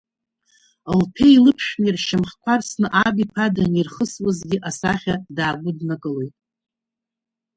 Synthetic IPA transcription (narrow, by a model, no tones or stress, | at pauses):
lpʰeilɨpʰʃᶣnirʃɪmχkʷʰarsnɨʔabipʰadanirχəswazɡʲɪʔasaχʲadaːɡʷʊdnakʼɨlojtʼ